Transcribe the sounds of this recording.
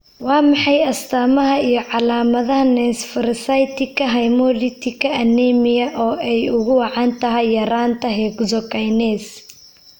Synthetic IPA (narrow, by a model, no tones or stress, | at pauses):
wɑːmɑħɑjɐst̪ʰaːmɐɦɐijɞʕɑlaːmɐðɐɦɐnɛnsfɐɾsɐjt̪ʰɪkʰɐɦɐjmɔlɪt̪ʰɪkʰɐɐnɛmɪjɐʔɔːʔɛjʊɣʊwɑʕɑːnt̪ʰɐɦɐjːɐɾaːnt̪ʰɐɦɛkzɔkɐjnɛːs